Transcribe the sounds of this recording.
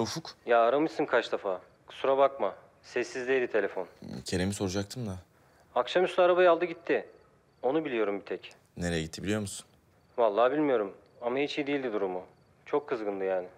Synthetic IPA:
ofukjaːɾamɯjsɯnkʰat͡ʃd̪afḁː | suɾabakma | sɛsːizd̪ʲed̪it̪ʰe̞lʲe̞fo̞ncʰeɾemiso̞ɾud͡ʒak̚t̪ʰɯmd̪a | akʃamyslʲˠaaɾabajalˠd̪ɯɟit̪ʰːɪ | o̞nubilʲijo̞ɾumbit̪ʰɛc | neɾejɛ̰ɟit̪ːibilʲijo̞musun | valˠːaːbilʲmijo̞ɾum | amahit͡ʃijd̪ijilʲd̪id̪uɾumu | t͡ʃʰo̞kʰːɯzɡɯnlˠɯjaːnɪ

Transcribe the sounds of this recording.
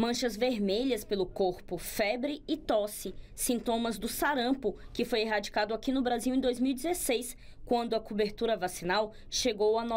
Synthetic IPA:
mɐ̃ʃɐzveɾmeʎɐspelʊkoɾpʊfɛbɾɪɪt̪ɔsɪ | sĩnt̪õmɐzd̪ʊsaɾɐ̃pʊkɪfojeɦad͡ʒikad̪ʊakinʊbɾaziwẽd̪ojzmiwid͡ʒ̪ɪzesejs | kwɐ̃nd̪ʊɐkobeɾt̪uɾɐvasĩnaw | ʃeɡowanɔ

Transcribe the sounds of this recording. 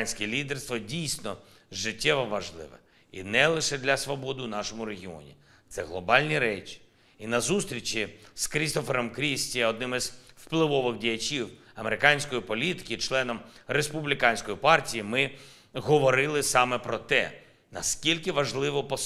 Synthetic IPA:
nʲsʲkʲɛlʲid̪erst̪ʋɔdʲijsʲnɔ | ʒɪtʲːɛʋɔʋɐʒlˠɪ̰ʋɛ̰ | ḭnɛlˠɪʃɛd̪lʲɐsʋɔbɔd̪ɪwnɑʃɔmʊɾeɦʲiɔ̰nʲḭ | t̪sɛɣlˠɔbɑlʲnʲiɾɛt͡ʃi̥ | inɐzust̪ɾʲit͡ʃʲiskɾʲist̪ɔfeɾɔmkɾʲisʲtʲiɛɔd̪nɪmɪzwplˠɪʋɔʋɪɣdʲijɐt͡ʃʲiw | ɐmeɾɪkɑnʲsʲkɔjipɔlʲit̪ɪ̥kʲɪt͡ʃlˠɛnɔm | respublʲɪkɑnʲsʲkɔjipɑrtʲijimɪ | ɦɔʋɔɾɪlˠɪsɑmɛpɾɔt̪ɛ̰ | nɐskʲilʲkɪʋɐʒlˠɪʋɔpɔ

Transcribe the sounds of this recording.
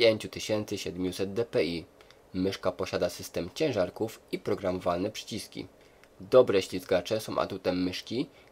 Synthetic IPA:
jeɲt͡ɕut̪ɘɕɛnt̪sɘɕɛd̪mʲjusɛd̪̚d̪ɛpɛi | mɘʂkapɔɕad̪asɘst̪ɛmt͡ɕɛ̃w̃ʐaɾkufipɾɔɡɾamɔvalnɛpʂɘ̥t͡ɕiskʲḭ | d̪ɔbɾɛɕlʲizɡat͡ʂɛsɔ̃w̃ʔa̰t̪ut̪ɛjmɘʂkʲi

